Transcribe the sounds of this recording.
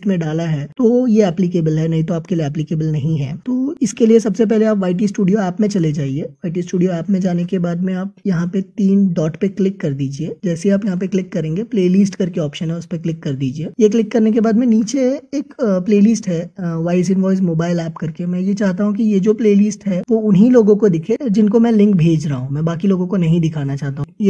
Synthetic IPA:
ʈmẽɖaːlaɦɛːt̪ojeɛːplɪk̬eːbəlɦɛnɐɦĩt̪oaːpkelijeɛːplɪkeːbəlnɐɦĩɦɛ̰ːt̪oːɪskeliesɐbsep̬ɛɦleaːpʋaːɪʈ̬isʈuːɖijoɛːpmẽt͡ʃɐled͡ʒaːieʋaːɪʈ̬isʈuːɖijoɛːpmẽd͡ʒaːnekebaːd̪mẽaːp̚jɐɦãpet̪iːnɖɔːʈpeklɪkːɐɾd̪iːd͡ʒieːd͡ʒɛːseaːpjɐɦãpeklɪkːɐɾẽːŋɡepleːlɪsʈkɐɾkeɔːpʃənɦɛʊspeklɪkːɐɾd̪iːd͡ʒieːjeklɪkːɐɾnek̬ebaːd̪mẽniːt͡ʃeeːkpleːlɪsʈɦɛːʋaːɪsɪ̃nʋɔːɪzmoːbaːɪlɛːpkɐɾkemɛ̃jet͡ʃaːɦt̪̬aɦũk̬ijed͡ʒoːpleːlɪsʈɦɛːʋoʊnɦiloːɡõkod̪ɪkʰed͡ʒɪnkomɛ̃lɪ̃ŋkbʱeːd͡ʒɾaaɦũmɛ̃ːbaːkiloːɡõkonɐɦĩd̪ɪkʰaːnat͡ʃaːɦt̪aɦũje

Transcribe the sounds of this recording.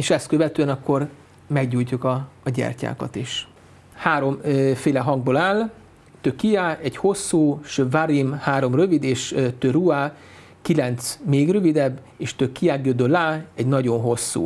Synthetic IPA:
eːʃɛst̪køvɛt̪øːɛnɒkːo̞r | mɛɡɟuːjcukɒːɟɛ̰rca̰ːkɒ̰t̪iʃ | haːɾo̞mfeːlɛɦɒŋɡ̚boːlaːl | t̪økijaɛɟho̞sːuːʃøvaɾimhaːɾo̞mrø̞vid̪eːʃøt̪ørua | kilɛnt̪smeːɡrøvid̪ɛbː | eːʃt̪økːiaːɡjod̪ølaːɛɟnɒɟo̞nɦo̞sːṵː

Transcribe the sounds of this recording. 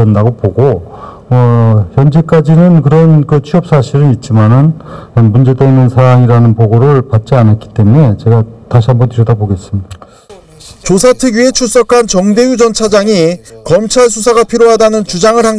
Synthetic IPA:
ʌndaɡopoɡo | ʌçjʌnd͡ʑek͈ad͡ʑinɯnkɯɾʌnkɯt͡ɕʰuʌp̚s͈aɕʰiɾɯit̚t͡ɕ͈imanɯnʌmund͡ʑe̞deinːɯnsʰaɾaŋiɾanɯnpoɡoɾɯɭpat̚t͡ɕ͈ianak͈i̥t͈e̞mune̞t͡ɕe̞ɡataɕ̬ʰiɦambʌntɯɾjʌdaboɡe̞s͈ɯmɲid̥a | t͡ɕos̬ʰatʰɯɡɥie̞t͡ɕʰus͈ʌkʰant͡ɕʌŋde̞jud͡ʑʌnt͡ɕʰad͡ʑaŋikʌmt͡ɕʰaɭs̬ʰus̬ʰaɡapʰiɾjoɦadanɯnt͡ɕud͡ʑaŋɯɭhaŋ

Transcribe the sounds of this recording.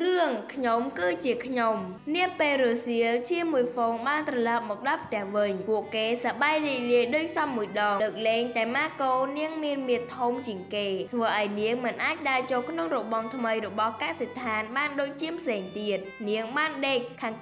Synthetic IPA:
rɨəŋkʰɲomkɨːt͡ɕiəkʰɲom | niəpeːlroːsiəlt͡ɕiəmuəjfoːŋɓaːnt̪rɑlɑp̚mɔːk̚ɗɑlpʰt̪ɛ̆əhʋɨɲpuəʔkeːsaɓajriəc̚liəjɗoːc̚sɑmːuəjɗɑːŋləːk̚leːŋt̪aɛmaːkoːniəŋmiənmiət̪ʰːumt͡ɕiəŋkeːt̪ʰʋəːʔaɔjniəŋmɨnʔaːc̚ɗaːt͡ɕoːlkʰnoŋrɔɓɑŋt̪ʰməjrɔɓɑhkaset̪ʰaːnɓaːnɗoːc̚t͡ɕiəmpʰseːŋt̪iət̪̚niəŋɓaːnɗeːkʰːaːŋ

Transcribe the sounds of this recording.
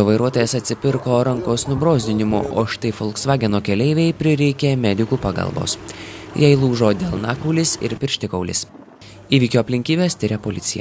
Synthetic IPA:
oʋɐɪɾuɔt̪oːjɛsɐt̪ʲsʲɪpʲɪɾkoːɾɐŋkoːsnʊbɾoːzʲd̪ʲɪnʲɪmʊ̰ʔo̰ːʃɪ̥t̪ɐɪfɔlˠksʋɑːɡʲɛnoːkʲɛlʲɛɪʋʲɛɪpʲɾʲɪɾʲɛɪkʲemʲæːd̪ʲɪkuːpɑːɡɐ̰lˠbo̰ːsjɛɪlˠuːʒoːd̪ʲeːlˠnɑːkɔʊlʲɪsɪ̰ɾpʲɪɾʲʃʲt̪ʲɪkɐʊlʲɪ̰s | iːʋʲiːkʲoːɐpʲlʲɪŋʲkʲiːbʲeːsʲt̪ʲɪɾʲɛpolʲɪt̪sʲɪjɛ̰

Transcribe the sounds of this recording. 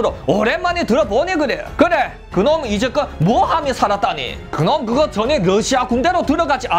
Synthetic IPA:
ɯɾooɾemːaɲitɯɾʌboɲiɡɯɾejo̰kɯɾe | kɯnomid͡ʑekɯmuʌhamisʰaɾat̚t͈aɲḭ | kɯnomkɯɡʌt͡ɕʌneɾʌɕʰiakunde̞ɾotɯɾʌɡad͡ʑiʔa

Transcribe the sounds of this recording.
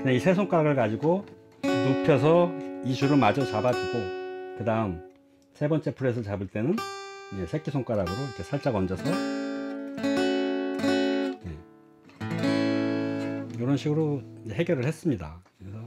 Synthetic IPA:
neisʰe̞sʰoŋk͈aɾaɡɯɭkad͡ʑiɡo | nupʰjʌs̬ʰʌit͡ɕuɾɯɭmad͡ʑʌsabad͡ʑiɡokɯdaɯm | sʰe̞bʌnt͡ɕ͈e̞pʰɯɾe̞s̬ʰɯɭt͡ɕabɯɭt͈e̞nɯnjesʰe̞k͈isʰoŋk͈aɾaɡɯɾoikʰe̞sʰaɭt͡ɕ͈aɡʌnd͡ʑʌsʰʌjo | je̞ | joɾʌnɕʰiɡɯɾoeɦeɡjʌɾɯɭhe̞s͈ɯmɲida̰kɯɾesʰʌ

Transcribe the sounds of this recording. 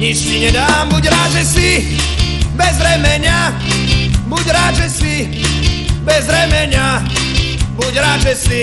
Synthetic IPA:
ɲit͡ʃsiɲɛd̪aːmbuɟɾaːʒɛsi | bɛzɾɛmɛɲɪa | buɟɾaːdʒɛsi | bɛzɾɛmɛɲɪa | buɟɾaːʒɛsi

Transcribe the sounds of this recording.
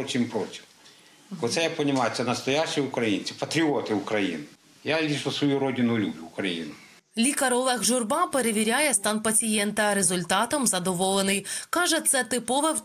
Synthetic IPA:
t͡ʃimpɾɔtʲi̥m | ɔt̪sɛjapɐnʲɪmajʊt̪ɛnɐst̪ɔjaʃijʊkɾɐjinʲt͡sʲipɐt̪ɾʲiɔt̪ɪukɾɐjḭnɪ | jalʲiʃɔsʋɔjuɾɔdʲɪnʊlʲubʲlʲʊːkɾɐjḭnʊ | lʲikɐɾɔlˠɛxʒʊrbɑpeɾeʋʲiɾʲajɛst̪ɑnpɐt͡sʲijɛnt̪ɐɾezʊlʲt̪ɑt̪ɔmzɐd̪ɔʋɔlˠenɪjkɑʒɛt̪sɛt̪ɪpɔʋɛ

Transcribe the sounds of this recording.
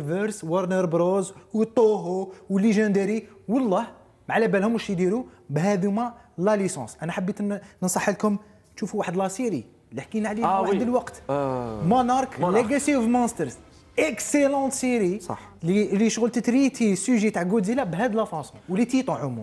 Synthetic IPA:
vəɾswɑɾˤnəɾbɾozwət̪ˤːoɦowəlːeʒænd̪əɾiwɑlˤːɑh | mʕlæbælhʊmuʃid̪iɾubɦæd̪umælælisɑ̰̃sʔænæħəbːit̪nənsˤɑħːəlkʊm | t̪ʃufuwaħəd̪læsiɾi | ləħkinʕlid̪əlwɑqt̪monɑɾˤkleɡæt̪ivmɑst̪əɾs | ʔekselɑ̃t̪siɾiɑ̰ħ | liliʃɣəlt̪ət̪ɾit̪isyʒit̪aʕɡud̪zilæbɦæd̪əlæfɑ̃suwlit̪it̪ˤoʕʊmṵ

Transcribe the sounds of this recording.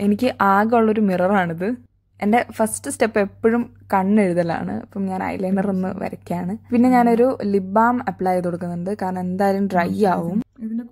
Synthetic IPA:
e̞nikʲːɨʔaːɡɐuɭːo̞ɾumirɐraːɳiðɨ | e̞nde̞fɐstɨste̞pːe̞pːoɻum | kɐɳːeɻuðɐla̰ːɳɨ̰ɐ̰pːɐmɲaːnɐ̰jlɐjnɐronːɨ̰ʋɐ̰ɾɐkʲːɐaːɳɨpinːe̞ɲaːno̞ɾulibaːmɐpːɭaːjɐt̪oɽukːunːɐɳɖɨkaːɾɳɐme̞nd̪aːjɐɾumrɐjaːʋum

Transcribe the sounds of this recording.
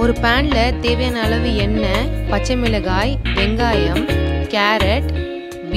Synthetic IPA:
ɔɾɯpaːɳlɐt̪eːʋɐjɐnɐlɐʋɯɛnːɐpɐt͡ʃːɐmɪlɐɣaːjɛŋɡaːjɐmkaːɾɐʈ | ʋ

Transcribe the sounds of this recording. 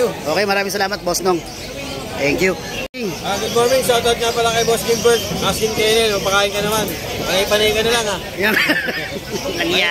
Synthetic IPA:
uʔo̞ːkɛjmɐɾaːmɪŋsɐlaːmɐt̪̚bosnoŋ | t̪ɛŋkju | ŋaɡʊd̪moɹmɪŋsat̪ɐd̪̚ŋapɐlɐkajbosk̪iŋbɛɹsasɪnt̪ɛnɛnopɐkaːjɪnkɐnɐman | pɐlɐjpɐnɐjkɐnɐlaŋa | jɐŋ | nɐŋa

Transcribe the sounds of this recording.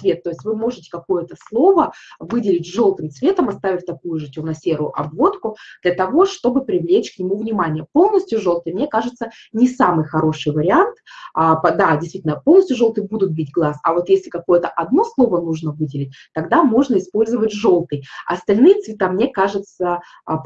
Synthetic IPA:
svʲet̪ːo̞ɪsʲtʲvɨmo̞ʐɨtʲɪ̥kɐko̞jət̪əslˠo̞vəvɨdʲɪlʲɪtʲʐo̞lˠt̪ɨmt̪svʲe̞t̪əmɐst̪avʲɪfʲt̪ɐkujʊʐɨtʲunɐsʲeɾʊʊʔɐ̰bvo̞t̪kʊd̪lʲət̪ɐvo̞ʂt̪o̞bɨpɾʲɪvlʲet͡ɕknʲɪmuvnʲɪmanʲɪjəpo̞lˠnəsʲtʲjʊʐo̞lˠt̪ɨjmnʲe̞kaʐɨt̪sə | nʲɪsamɨjxɐɾo̞ʂɨjvəɾʲɪant̪əpd̪adʲɪsʲt̪vitʲɪnəponəsʲt̪ʲjʊʐo̞lˠt̪ɨjbud̪ʊt̪̚bʲid̚ʲɡlˠasɐ̰vo̞t̪jesʲlʲɪkɐko̞jət̪əʔɐd̪no̞slˠo̞vənuʐnəvɨdʲɪlʲɪt̚ʲ | t̪ɐɡd̪amo̞ʐnəɪspo̞lʲzəvətʲʐo̞lˠt̪ɨjɐ̰st̪ɐlʲnɨjət̪svʲɪt̪amnʲekaʐɨt̪sə

